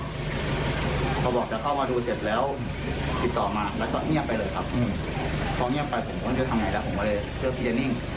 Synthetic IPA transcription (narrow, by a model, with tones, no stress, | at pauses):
pʰɔː˧˩bɔː˨˩k̚t͡ɕaː˨˩kʰa˥˩wmaː˧duː˧se˨˩t̪̚lɛː˦˥w | t̪i˨˧˩t̪ːɔː˨˩maː˧lɛː˦˥wkɔ˧˩ŋi˥˩ɐpːa˧jlɤː˧jkʰa˦˥p̚ʔɯ˧˩ | pʰɔː˧ŋi˥˩əpːa˧jpʰo˨˩˦mkʰːu˧˩t̪ʰa˧ŋa˧˩jlɛ˦˥pʰkɔ˧˥leː˧j | sʰɯ˥˩˨t̪ʰiː˧˩t͡ɕa˨˩ni˥˩ŋ